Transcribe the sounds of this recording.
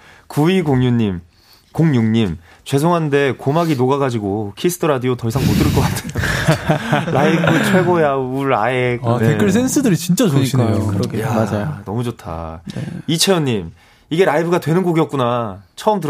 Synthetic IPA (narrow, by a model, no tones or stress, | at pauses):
kuiɡoŋɲuɲːim | koŋɲuŋɲim | t͡ɕwe̞sʰoŋɦannde̞komaɡinoɡaɡad͡ʑiɡokʰisʰɯ̥tʰɯɾadiotʌisʰaŋmodɯɾɯɭk͈ʌk͈atʰeo | ɾaibɯt͡ɕʰwe̞ɡojauɾa̰eknekjʌɭsʰensʰɯdɯɾit͡ɕint͡ɕ͈at͡ɕoɲiik͈ajokɯjaad͡ʑaonʌmud͡ʑotʰa̰ | it͡ɕʰe̞jʌɲːim | iɡe̞ɾaibɯɡatwe̞nɯnɡoɡijʌt̚k͈unat͡ɕʰʌɯmtɯ